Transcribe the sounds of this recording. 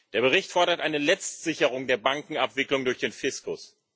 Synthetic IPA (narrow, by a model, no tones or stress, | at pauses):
d̥eːɐbəʁ̞ɪçtfɔɐɾɐtʔaɪnəlɛt͡stz̥ɪçəʁ̞ʊŋdeːɐbaŋkŋ̩apv̥ɪklʊŋdʊɐçd̥eːnfɪskʊs